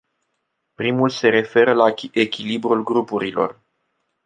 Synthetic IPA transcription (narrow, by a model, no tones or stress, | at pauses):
pɾimulse̞ɾe̞fe̞ɾəlaekʲilibɾulɡɾupuɾilo̞̰r